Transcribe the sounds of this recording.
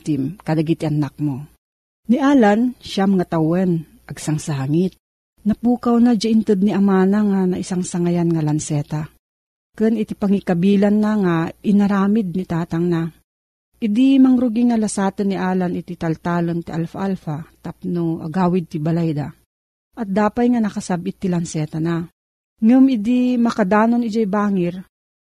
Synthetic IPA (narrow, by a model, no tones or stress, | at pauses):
t̪ɪmkɐd̪aɡit̪iʔɐnak̚mo | niʔaːlanʃamŋat̪awɛn | ʔɐɡsaŋsaːŋɪt̪̚ | nɐpuːkawnad͡ʒaʔɪnt̪ɨd̪̚niʔɐmanaŋanaʔɪsaŋsaŋajanŋalansɛːt̪a | kɨnɪt̪ipaŋikɐbiːlanːaŋaɪnɐɾaːmɪd̪̚nit̪aːt̪aŋna | ʔɪd̪imɐŋɾʊɡiŋalasaːt̪ɨnːiʔaːlanɪt̪it̪ɐlt̪aːlont̪iʔalfaʔalfat̪ap̚noʔa̰ɡaːwɪd̪̚t̪ibɐlajd̪a | ʔɐt̪̚d̪aːpajŋanɐkɐsabɪt̪ːilɐnsɛːt̪ana | ŋʊmɪd̪imɐkad̪aːnonɪd͡ʒajbaːŋɪɾ